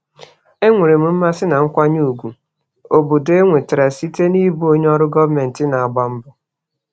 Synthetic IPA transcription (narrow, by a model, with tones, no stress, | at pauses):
e˦ŋʷe˨ɾe˨m̩˨m̩˦ma˦sɪ˦na˨ŋ̩˦kʷa˦ɲu˦u˨ɡʷu˨ | o˨bo˨de˦ŋʷe˨tɾa˨si˦te˦ni˦bu˦o˦ɲ˦ɔ˦ɾʊ˦ɡɔ˦vme˨n̩˨tɪ˦na˨a˨ɡ͡ba˦m̩˦bʊ˨